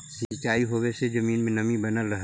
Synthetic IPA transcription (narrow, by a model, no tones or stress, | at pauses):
sit͡ʃaːiɦoʋesed͡ʒɐmiːnmẽnɐmibɐnəlɾɐɦ